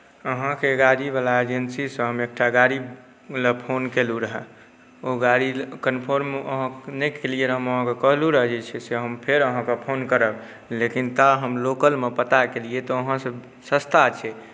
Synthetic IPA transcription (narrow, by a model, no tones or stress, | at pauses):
əɦãkeɡaɾibalaed͡ʒensisə̃ɦəmek̚ʈaɡaɾib | lepʰonkeluɾəɦɛ | oɡaɾikənpʰoɾməɦãnɛkʰelieɾəɦəməɦãkekəɦluɾəɦd͡ʒet͡ʃʰɛseɦəmpʰeɾəɦãkepʰonkəɾəb | lekint̪aɦəmlokəlmepət̪akeliet̪ɔəɦãsə | səst̪ʰat͡ʃʰɛ